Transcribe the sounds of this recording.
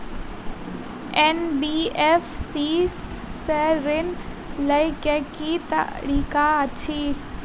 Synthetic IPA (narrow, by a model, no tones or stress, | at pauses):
enbiːefsiː | seɾɪn | ləjkekit̪ə̰ɾiːkaət͡ʃʰiː